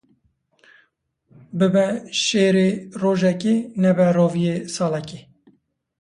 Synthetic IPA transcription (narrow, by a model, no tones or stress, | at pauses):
bɪbɛʃeːɾeroːʒɛkenɛbɛɾoːvijeːsɑːlɛki